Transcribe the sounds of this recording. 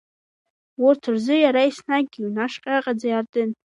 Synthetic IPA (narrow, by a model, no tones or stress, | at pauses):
wʊrtʰɨrzɨjaɾaisnaɡ̚ɡʲiwnaʂqʲʼaqʼad͡zajartʼɨn